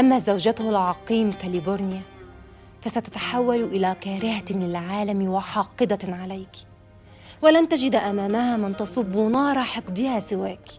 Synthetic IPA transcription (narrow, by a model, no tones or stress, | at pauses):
ʔamːazawd͡ʒat̪ʊhʊlʕɑqiːmkalɪbʊɾnɪja | fasat̪ḁt̪ḁħawːalʔɪlakaːɾɪhalɪlʕaːlamwɑħɑːqːɨd̪ɑʕalajk | wɪlant̪ad͡ʒɪd̪ʔamaːmahaːmɪnt̪ɑsˤɨbːʊnɑːɾˤɑħɑqd̪ˤɪhasɪwaːk